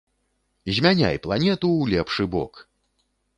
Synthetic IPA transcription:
zʲmʲanʲa̰jplˠanʲɛt̪uwlʲɛpʂɨbɔ̰k

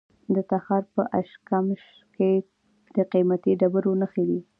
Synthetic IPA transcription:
d̪ət̪axɑɾpəʔaʃkamʃ | ke | d̪̥əqimat̪iɖabəɾonəxed̪i

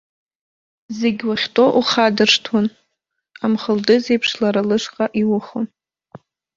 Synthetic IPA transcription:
zeɡʲwaχʲtʼo̞ʔuχadɨrʂtʰwon | amχəldɨze̞jpʰʂlaɾalɨʂqʼaʔiwʊχon

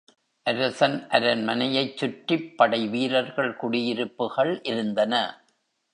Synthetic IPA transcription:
ʔɐɾɐsɐnʔɐɾɐnmɐnɐjɐɪt͡ʃːʊʈɪpːɐɽɐɪʋiːɾɐɾɣɐɭkʊɽɪjɪɾɯpːɯɣɐɭʔɪɾɯnd̪ɐnɐ

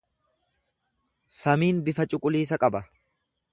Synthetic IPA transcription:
sɐmiːnbɪfɐt͡ʃʼʊkʼʊliːs̬ɐkʼɐbɐ

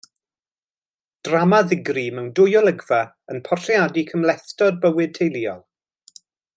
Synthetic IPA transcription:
d̥ramaðɪɡrimɛwndʊjɔlˠəɡvɛ | ənpʰɔrrjadikʰəmlɛθtɔd̚bəwɨd̚tʰejlˠiɔ̰lˠ

